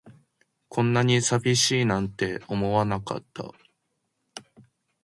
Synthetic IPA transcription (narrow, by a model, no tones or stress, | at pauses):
kʰõ̞nːaɲ̟isabʲiɕiːnãnt̪e̞o̞mo̞βanaka̰t̪ːa̰